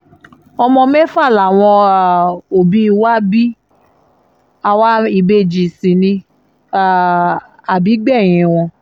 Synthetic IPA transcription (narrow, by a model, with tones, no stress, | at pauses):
ɔ˧mɔ̃˧mɛ˦fa˦˨la˨w̃ɔ̃˧˨ | o˨bi˦˧wa˦bi˦ | a˧wa˦i˦˧˨be˦˨d͡ʒi˨sĩ˨nĩ˧˨ | a˨bi˨˦ɡ͡bɛ˦˨j̃ĩ˧˨w̃ɔ̃˧